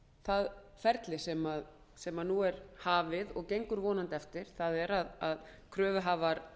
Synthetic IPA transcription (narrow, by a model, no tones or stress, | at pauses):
θað | fɛɾt̪lɪsɛmað | sɛmanuɛɾhaːvɪðɔɣcejŋkʏɾvɔːnant̪ɛft̪ɪɾ̥θaðɛɾaðað | kʰɾœːvʏɦaːvaɾ